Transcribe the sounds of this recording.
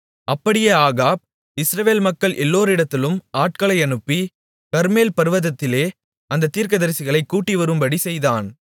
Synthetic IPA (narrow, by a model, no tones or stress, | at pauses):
ɐpːɐɽɪjɐaːɣaːb̚ | ɪsɾɐʋeːlmɐkːɐɭʔɛlːoːɾɪɽɐt̪ːɪlɯmaːʈ̚kɐɭɐɪɐnɯpːi | kɐɾmeːlpɐɾɯʋɐðɐt̪ːɪleː | ɐnd̪ɐt̪ːiːɾk̬ɐðɐɾsɪɣɐɭɐɪkːuːʈːiʋɐɾɯmbɐɽisɛjðaːn